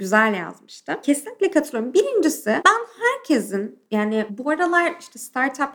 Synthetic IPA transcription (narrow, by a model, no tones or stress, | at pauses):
ɟyzælʲja̰zmɯʃt̪ʰɯmcʰesinlʲiclʲɛkʰat̪ʰɯlˠjoɾmbiɾind͡ʒisɪbænhæɾcʰezinjaːnɪbuaɾalˠaɾiʃt̪ʰɛst̪ʰaɾt̪ʰap